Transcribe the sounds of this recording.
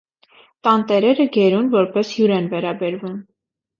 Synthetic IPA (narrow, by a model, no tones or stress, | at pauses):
t̪ɑnt̪ɛɾɛɾəɡɛɾunvɔɾpɛshjuɾɛnvɛɾɑbɛɾvum